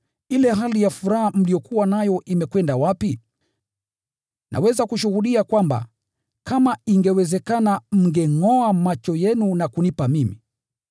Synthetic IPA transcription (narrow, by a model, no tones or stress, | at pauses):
ilɛɦalijafuɾaham̩lijɔkuwanajɔʔimɛkwɛndawapi | nʔa̰wɛzakuʃuhuɗiakwamba̰ | kamaiŋɡɛwɛzɛkanam̩ŋɡɛŋɔamat͡ʃɔjɛnunakunipamimi